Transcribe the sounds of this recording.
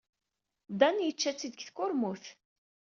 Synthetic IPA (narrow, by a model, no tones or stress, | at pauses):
d̪ɑnjət͡ʃːæt͡sːid̪əçθkʊɾmʊθ